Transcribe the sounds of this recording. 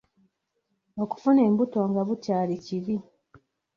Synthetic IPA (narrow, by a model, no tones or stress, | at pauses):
o̞ku̥fune̞ːmbuto̞ŋɡaβucaːliciɾi